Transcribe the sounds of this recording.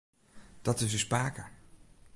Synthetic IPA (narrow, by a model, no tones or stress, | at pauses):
d̥ɑtɪs̬əspaːkəɹ